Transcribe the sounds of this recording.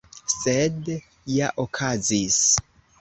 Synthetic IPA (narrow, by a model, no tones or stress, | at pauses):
sed | jaʔokʰazis